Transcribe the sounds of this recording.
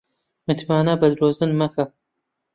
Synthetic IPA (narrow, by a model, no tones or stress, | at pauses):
mɨt̪ʰmaːnɐbɐd̪ɾoːzɨnmɐkʰɐ